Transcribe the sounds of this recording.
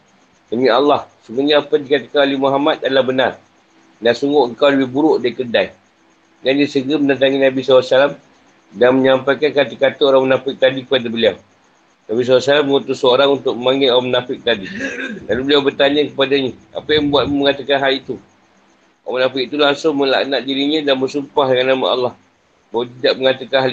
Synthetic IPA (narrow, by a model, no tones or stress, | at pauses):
dəmialːɑhsumuɲaapadikat̪akanolehmoɦamat̪̚adəlahbənar | naʔsuŋɡʊʔəŋkawləbɪhbuɾʊʔdaikərdai | dandisəɡəmənad̪aŋinabisalasalam | danməɲampajkankat̪ikat̪əoɾaŋmənafɪk̚t̪adikəpadabəliaw | nabis̬alasalamːəŋut̪ʊsəoɾaŋunt̪ʊk̚məmaŋɪowamənafɪk̚t̪adidalubəliawbərt̪aɲakəpadaɲəa̰pajaŋbuat̪̚muməŋat̪akanɦalit̪u | oamənafɪk̚it̪ulaŋsʊŋməla̰ʔnaʔdiɾiɲãdanməsumpahdəŋanːama̰a̰lːɑh | bawat̪idaʔ̚məŋat̪akanɦali